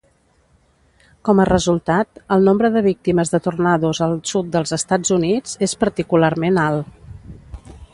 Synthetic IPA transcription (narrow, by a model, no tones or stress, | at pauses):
kɔmərəzulˠt̪at̪əlˠnombɾəðəβ̞ik̚t̪iməzðət̪urnaðuzəlˠsut̪̚d̪əlˠzəst̪ad͡zunid͡zespəɾt̪ikularmenalˠ